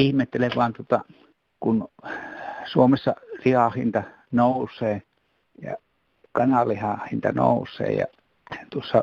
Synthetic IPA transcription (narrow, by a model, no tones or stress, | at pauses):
ihmet̪ːeleʋˑɑːnt̪ŭŏt̪ɑ | kun | suomesːɑlihɑhint̪ɑ | nousˑeː | jɑ̰ | kɑnɑlihɑhint̪ɑno̰usˑḛːjɑ̰ | t̪uosːɑ